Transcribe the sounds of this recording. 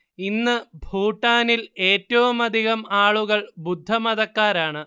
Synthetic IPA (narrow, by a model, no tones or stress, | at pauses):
inːɨbʱuːʈːaːnile̞ːtːɐʋumɐd̪ʱiɣɐmaːɭuɣɐɭbud̪ʱːɐmɐðɐkːaːɾaːɳɨ